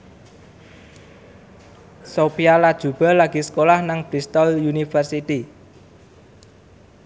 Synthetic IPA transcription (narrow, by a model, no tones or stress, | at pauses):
sopialad̥ʒ̥ṳb̥ə̤laɡ̥i̤sə̥kolahnaŋb̥ɾist̪ɔljunifərsit̪i